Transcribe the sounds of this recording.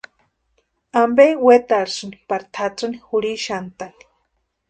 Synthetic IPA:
ambewet̪aɾsɨnipaɾit̪ʰat͡sɨnixuɽiʃant̪ani̥

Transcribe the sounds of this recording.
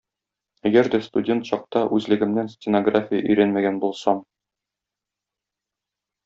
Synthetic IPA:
æɡæɾd̪æst̪udʲe̞nt̪ɕɒq̚t̪ɑʔʉzlɘ̆ɡɘ̆mnænsʲtʲɪnoɡrafʲɪjə̰ʔɵ̆jɾænmæɡænbulˠsɑm

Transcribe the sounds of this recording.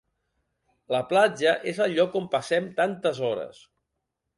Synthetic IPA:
ləplad͡ʒəʔezəʎɔkompəsɛmt̪ant̪əzɔɾə̰s

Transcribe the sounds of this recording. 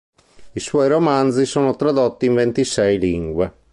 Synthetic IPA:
iswɔjɾomand̪zisoːnot̪ɾad̪ɔt̪ːiːɱvent̪isɛjliŋɡwe

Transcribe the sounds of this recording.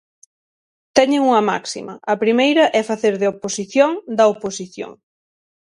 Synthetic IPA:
t̪ɛɲeŋuŋɐma̰ksḭmɐ̰ɐpɾimejɾɐʔɛfaθeɾðeoposiθjoŋd̪ɐoposiθjo̰ŋ

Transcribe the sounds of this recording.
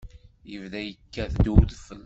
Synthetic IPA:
jəvðæjəkːæðd̪uðfəlː

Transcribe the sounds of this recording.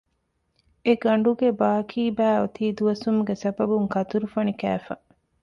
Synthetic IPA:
eɡɐɳ̆ɖuɡebaːkʰiːbæːot̪iːd̪uʋɐsumɡesɐbɐbuŋkɐt̪uɾufɐnikæ̰ːfɐ

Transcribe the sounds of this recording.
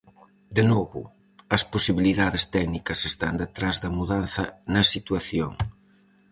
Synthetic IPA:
d̪enɔβṵ | ɐspusiβiliðaðest̪ɛɡnikɐsest̪and̪et̪ɾazðɐmuðanθɐnɐsit̪wɐθjo̰ŋ

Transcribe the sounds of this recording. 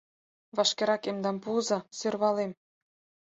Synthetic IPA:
βɑʃkeɾɑkemd̪ɑmpuzɑ̆sørβɑlem

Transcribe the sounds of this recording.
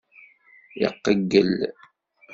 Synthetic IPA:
jə̰qːəɡːəl

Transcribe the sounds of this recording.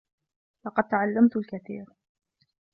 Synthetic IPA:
lɑqɑd̪̚t̪aʕalːamt̪lkaθḭːɾ

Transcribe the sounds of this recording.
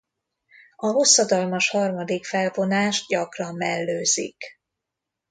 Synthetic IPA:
ɒɦo̞sːɒd̪ɒlmɒʃhɒrmɒd̪ikfɛlvo̞naːʒɟɒkrɒmːɛlːøːzḭk

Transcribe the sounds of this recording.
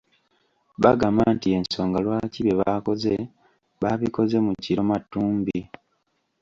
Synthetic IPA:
βaɡamaːntie̞nso̞ːŋɡalwaːciβe̞βako̞ze̞ | βaβiko̞ze̞muciɾo̞matːuːmbi

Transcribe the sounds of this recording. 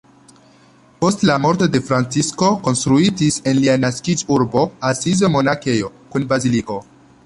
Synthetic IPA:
po̞stlamo̞ɾto̞de̞fɾant͡sisko̞ko̞nst̪ɾuitise̞nlianaskid͡ʒuɾbo̞asizo̞mo̞nake̞jo̞kunbaziliko̞

